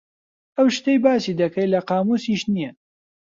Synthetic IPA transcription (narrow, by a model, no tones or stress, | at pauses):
ɐwʃt̪ejbaːsid̪ɐkʰɐjlɐqɑːmuːsiʃnijɐ